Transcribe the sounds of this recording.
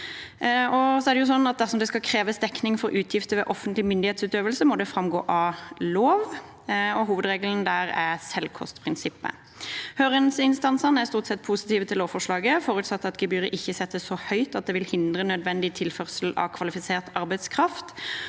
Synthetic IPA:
ɔsɔæʁd̪ɛjʊsɔnːɑt̪̚d̪æʁsɔmd̪ɛskɑkʰɾeːʋəsd̪ɛknɪŋfɔɾʉːt̪ʰjɪft̪əʋɛ̰ʔɔfənt̪lɪmʏnd̪ɪheːt̪sʉːt̪øːʋəlsəmɔd̪ɛfɾɑmɡo̰ːʔɑloːʋ | ɔɦuːʋəd̪ʁeːɡəln̩d̪æːʁæsɛlkʰɔ̰st̪pʰʁɪnsɪpːə̰ | høːʁənsɪnst̪ɑnsənæʁst̪uːʁt̪sɛt̪̚ːpʰuːsɪ̥t̪iːʋət̪ʰɪloːʋfɔʂlɑːɡəfɔːʁʉːt̪sɑt̪ːɑt̪ɡɛbyːʁəʔɪçːəsɛt̪ːəssɔhœʏt̪ɑt̪̚d̪ɛʋɪlhɪnd̪ʁənœd̪ʋɛnd̪ɪt̪ʰɪlfœʁsəlɑ̰kʰʋɑlɪfɪseːʁt̪ɑɾbæɪt̪skʰʁɑft̪

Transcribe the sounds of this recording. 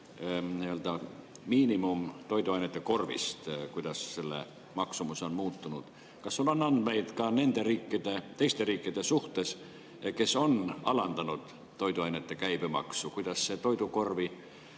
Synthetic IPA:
niøld̪ɑ | miːnimumt̪o̞jd̪uɑjnet̪ːˑeko̞rvḭst̪kujd̪̥ɑsselːḛ | mɑksumuseonmuːt̪ːunud̪̥ | kɑsːulɑnːɑnd̪mejt̪kɑne̞nd̪e̞ɾiːkːid̪̥et̪e̞jst̪eriːkːid̪e̞suht̪ˑes | ke̞so̞nɑlɑnd̪ɑnud̪̥ | t̪ːo̞jd̪uɑjnet̪ːekæjb̥emɑ̰ksukujd̪̥ɑsːe̞t̪o̞jd̪uko̞rvi

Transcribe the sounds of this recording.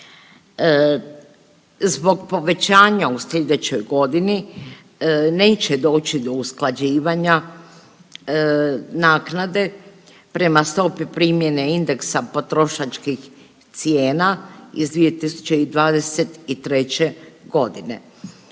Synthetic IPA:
zbo̞ɡpo̞ʋe̞t͡ɕaːɲausʎed̪e̞t͡ɕo̞jɡo̞d̪ini | ne̞ːt͡ɕe̞d̪o̞ːt͡ɕid̪o̞usklˠad͡ʑiːʋaɲa | naːknad̪e̞ | pɾe̞mast̪o̞pipɾiːmje̞neind̪e̞ksapo̞t̪ɾo̞ʃat͡ʃkix | t̪sjeːnaḭzd̪ʋije̞t̪isu̥t͡ɕe̞id̪ʋaːd̪e̞se̞t̪it̪ɾe̞t͡ɕe̞ɡo̞d̪ine̞̰

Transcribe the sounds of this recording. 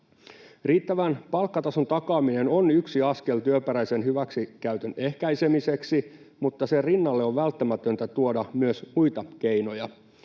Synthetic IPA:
riːt̪ːæʋænpɑlkːɑt̪ɑsont̪ɑkɑːmine̞nonyksiɑske̞lt̪yøpæɾæjsenhyʋæksikæyt̪ønehkæjse̞mise̞ksi | mut̪ːɑserinːɑlːeoʋʋælt̪ːæmæt̪ønt̪æt̪uodɑmyøsmujt̪ɑk̟eino̞jɑ

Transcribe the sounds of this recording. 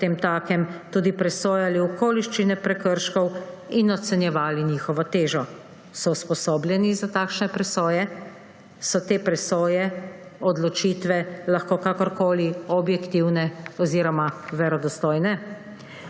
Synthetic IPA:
t̪eːmt̪aːkɛmt̪uːd̪ipɾɛsoːjaliɔkoːliʃt͡ʃinɛpɾɛkəɾʃkɔwinɔt̪sɛnjɛʋaːlinixɔʋɔt̪eːʒɔ | sɔuspɔsoːbljɛnizat̪aːkʃnɛpɾɛsoːjɛ | sɔt̪eːpɾɛsoːjɛɔd̪lɔt͡ʃiːt̪ʋɛlaxkokakɔɾkoːliɔbjɛkt̪iwnɛɔziɾɔmaʋɛɾɔd̪ɔst̪ɔːjnɛ

